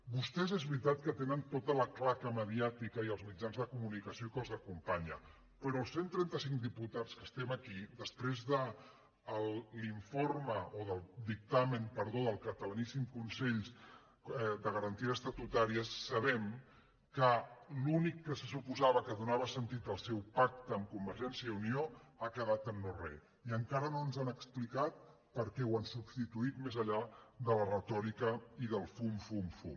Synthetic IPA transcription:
bust̪ɛzɛzβɾit̪at̪kət̪enənt̪ot̪ələklakəməðiat̪ikəiəlˠzmid͡ʒanzðəkumunikəsiokəlˠzəkumpaɲə | pəɾɔːlˠsent̪ɾɛnt̪əsiŋd̪iput̪at͡skəst̪ɛməkiðəspɾezðəː | lˠːiɱforməoðəlˠd̪ik̚t̪amənpəɾðoðəlˠkət̪ələnisimkunsɛʎz | ðəɣəɾənt̪iəsst̪ət̪ut̪aɾiəsːəβɛm | kəlunikːəsəsupuzaβəkəðunaβəsənt̪it̪əlˠsɛwpak̚t̪əːmkumbəɾʒɛnsiəiunioakəðat̪ənnorɛ̰ | iəŋkaɾənoənzanəksplikat̪̚ | pəɾkɛwansubst̪it̪uit̪mezəʎaðələrət̪ɔɾikəiðəlˠfumfumfṵ

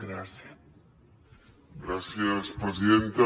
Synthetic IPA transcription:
ɡɾasja | ɡɾasjaspɾes̬iðent̪a

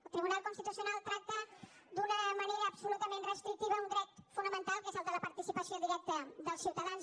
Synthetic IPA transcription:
əlˠt̪ɾiβunalˠkunst̪it̪usiunalˠt̪ɾak̚t̪ə | d̪unəməneɾəːpsulut̪əmenrəst̪ɾik̚t̪iβəunɡ̪ɾɛt̪funəmənt̪alˠkezəlˠd̪ələpəɾt̪isipəsioðiɾɛk̚t̪əðəlˠsiwt̪əðanz

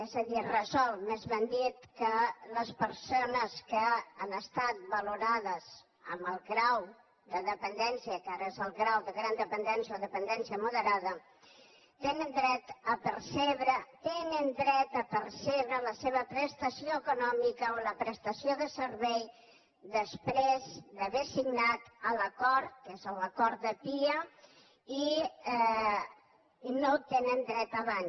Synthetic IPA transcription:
ɛzəðirəzɔlˠmezβənd̪it̪kələspəɾsonəskəanəst̪at̪̚bəluɾaðəz | əməlˠɣɾaw | d̪əðəpənd̪ɛnsiəkaɾəezəlˠɣɾawðəɣɾand̪əpənd̪ɛnsioðəpənd̪ɛnsiəmuðəɾaðə | t̪enənd̪ɾɛt̪əpəɾseβɾət̪enənd̪ɾɛt̪əpərseβɾələseβ̞əpɾəst̪əsioəkunɔmikəoləpɾəst̪əsioðəsəɾβɛj | ðəspɾezd̪əβesiɡnat̪ələkɔɾkezələkɔɾd̪əpiə | i | not̪enənd̪ɾɛt̪əβan

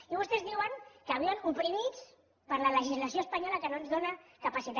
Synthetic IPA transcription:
iβust̪ɛzðiwəŋkəβianupɾimit͡s | pəɾlələʒizlasjoəspaɲɔlakənonzðonakapasit̪a

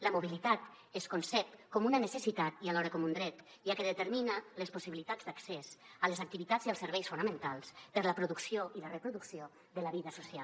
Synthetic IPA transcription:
ləmuβilit̪at̪ | eskonsɛp̚kɔmunənəsəsit̪at̪ialɔɾəkɔmund̪ɾɛt̪ | ʒakəðət̪əɾminalespusiβilit̪ad͡zd̪aksesəlezak̚t̪iβit̪azialˠsəɾβɛjsfunəmẽnt̪alˠspəɾləpɾuðuksioilərəpɾuðuksio | ðələβiðəsusial

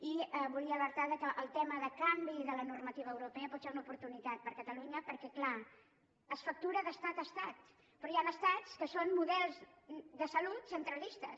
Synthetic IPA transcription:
iəβuliəːləɾt̪aðəkəʔəlˠt̪ɛməðəkambiðələnurmət̪iβ̞əːwɾupɛəpɔt̪seunəupuɾt̪unit̪at̪̚pəɾkət̪əluɲəpəɾkɛkla | əsfək̚t̪uɾəðəst̪at̪əst̪at̪ | pɾɔjanəst̪at͡skəsonmuðɛlˠzðəsəlut̪sənt̪ɾəlist̪əs

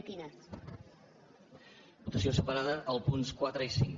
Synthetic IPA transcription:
t̪ina | but̪əsiosəpəɾaðəʔːlˠpunskwat̪ɾəisiŋ

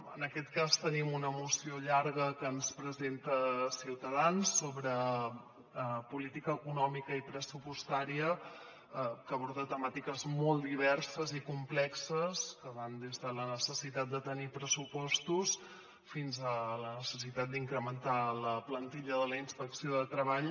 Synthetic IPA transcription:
ə̰nəkɛt̪kast̪ənimunəmusioʎaɾɣəkənspɾəzent̪əsiwt̪əðansːoβɾə | əpulit̪ikəːkunɔmikəipɾəsupust̪aɾiə | kəβɔɾt̪ət̪əmat̪ikəzmɔlˠd̪iβɛrsəzikumplɛksəskəβand̪ezðələnəsəsit̪at̪̚d̪ət̪ənipɾəsupɔst̪us | finzələnəsəsit̪at̪̚d̪iŋkɾəmənt̪aləplənt̪iʎəðələinspəksioðət̪ɾəβaʎ

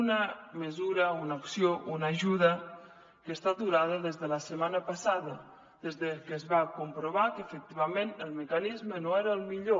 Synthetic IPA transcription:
nəməzuɾəunaoksjounaʒuðə | kəst̪ad̪uɾaðəðezðələsəmanəpasaðə | ð̥ezðəkəzβakumpɾoβ̞akəfək̚t̪iβamenəlˠməkanizmənoɛɾəəlˠmiʎo

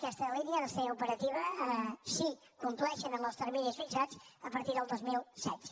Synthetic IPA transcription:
kɛst̪əlinjəðəseupəɾət̪iβəsi | kunt̪luɛʃənəlɔst̪əɾminəsfit͡ʃat͡səpəɾt̪iɾðəlˠd̪ozmilˠsɛ̰t̪

